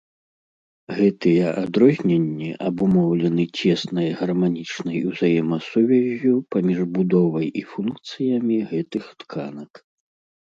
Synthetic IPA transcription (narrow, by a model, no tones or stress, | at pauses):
ɣɛt̪ɨjɛʔad̪ɾɔzʲnʲenʲːiʔɐbumɔwlʲɛnɨt͡sʲɛsnɐjɐɣɐrmanʲit͡ʂnɐjuwzajɛmɐsuvʲɛzʲːupamʲiʐbud̪ɔvɐjʔifunkt̪sɨjɐmʲiɣɛt̪ɨxt̪kʰa̰nɐk